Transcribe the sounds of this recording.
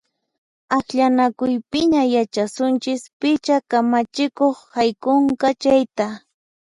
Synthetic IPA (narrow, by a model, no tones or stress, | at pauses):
akʎanakʊjpɪɲajat͡ʃasʊnt͡ʃɪspɪt͡ʃakamat͡ʃɪkoχhajkoɴkɑt͡ʃajt̪a